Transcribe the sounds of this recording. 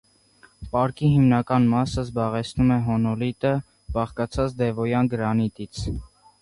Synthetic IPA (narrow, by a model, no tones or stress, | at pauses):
pɑɾkiɦimnɑkɑnmɑsəzbɑʁɛt͡sʰnumɛɦɔnɔlit̪ə | bɑχkɑt͡sʰɑt͡sd̪ɛvɔjɑnɡəɾɑnit̪it͡sʰ